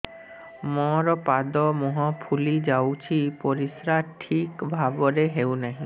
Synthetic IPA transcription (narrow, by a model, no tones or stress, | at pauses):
mɔɾɔpad̪ɔmɔɦɔpʰulid͡ʑawt͡ɕʰipoɾisɾaʈʰikbʱaboɾeɦewnaɦĩ